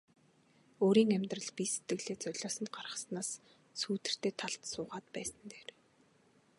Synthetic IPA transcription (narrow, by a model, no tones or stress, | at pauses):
oːɾiːŋæmʲt̪rə̆ɮpise̥t̪ɡɘ̆ɣɮeːt͡sœɮʲɔːsə̆nɢarʁə̆snaːs | suːt̪ɘ̆r̥t̪ʰeːt̪ʰaɬt̪sʊːʁaːt̪pæːsə̆nt̪eːr